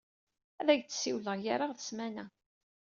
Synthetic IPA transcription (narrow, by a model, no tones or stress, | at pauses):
æðæʝt͡s̪ːsiwləʁjaɾaʁθəsmænæ